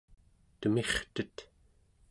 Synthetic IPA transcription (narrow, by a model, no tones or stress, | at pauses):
t̪əme̞χt̪ət̪